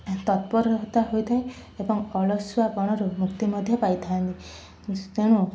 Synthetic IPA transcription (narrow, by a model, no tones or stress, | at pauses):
t̪ɔt̪̚pɔɾɔɾɔɦt̪aɦojt̪ʰaj | ebɔŋɔlɔswapɔɽ̃ɔɾumukt̪imɔd̪ʱjɔpajt̪ʰaant̪i | teɽ̃u